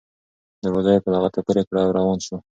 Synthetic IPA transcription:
d̪əɾozajopəlaɣat̪apəɾekɽawɾɑwɑnʃo

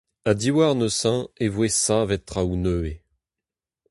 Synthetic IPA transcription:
ad̪iwaʁnøsɛ̃evwesãvɛt̪ːχaunøe

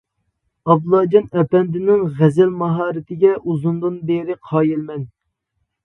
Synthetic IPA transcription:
ɑblˠɑːd͡ʒɑnɛpɛnd̪ɪnɪŋʁɛzɛlmɑɦɑːɾɪt̪ʰɪɡʲɛʔuzund̪ɨnbeɾɪqʰɑːjɪlmɛn

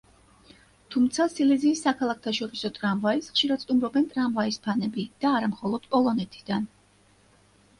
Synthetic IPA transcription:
t̪ʰumt̪sʰasilɛziːsːakʰalˠak̚t̪ʰaʃɔɾisɔt̪ʼɾamvaisχʃiɾadt̪st̪ʼumɾɔbɛnt̪ʼɾamvaispʰanɛbid̪̥aːɾamχɔlˠɔd̪̥pʼɔlˠɔnɛt̪ʰi̥d̪̥an

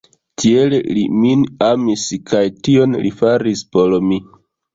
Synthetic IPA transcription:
tʰie̞lelḭminamiskajtio̞nlḭfaɾispo̞lmi

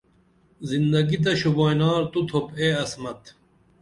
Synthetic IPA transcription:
zind̪ɐɡit̪̬ɐɕuboːjnaːɾt̪ut̪ʰopeːɐsmɐt̪

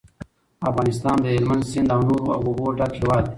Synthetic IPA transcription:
afɣɑːnɪst̪ɑːnd̪əɦelmand̪sind̪anuɾa̰ɡuboʈakʰewaːd̪

